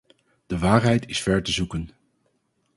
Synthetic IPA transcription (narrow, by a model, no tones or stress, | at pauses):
d̥əʋaːrɦɛjtʰɪsfɛɹtəzukən